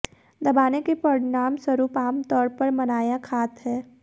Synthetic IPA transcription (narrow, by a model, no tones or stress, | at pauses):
d̪ɐbaːnekepəɽnaːmswɐɾuːpaːmt̪ɔːɾpɐɾmɐnaːjakʰaːt̪ɦɛː